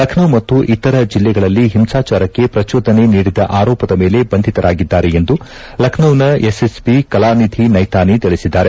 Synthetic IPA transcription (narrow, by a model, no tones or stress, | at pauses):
lɐkʰnɐwmɐt̪ːuʔit̪ːɐɾɐd͡ʒilːɛɡɐɭɐlːiɦimsaːt͡ʃaːɾɐkːe̞pɾɐt͡ʃoːd̪ʱɐne̞niːɽid̪ɐʔaːɾɔːpɐd̪ɐme̞ːle̞bɐnd̪ʱit̪ɐɾʔaːɡid̪ːaːɾeend̪u | lɐkʰnɐwnɐesesbikɐlaːnid̪ʱinɐjt̪aːnit̪iɭisid̪ːaːɾe